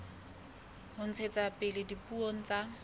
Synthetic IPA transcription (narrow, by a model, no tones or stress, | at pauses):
hʊn̩t͡sʰet͡sapʼɪlɪdipʼuoŋ̩t͡sa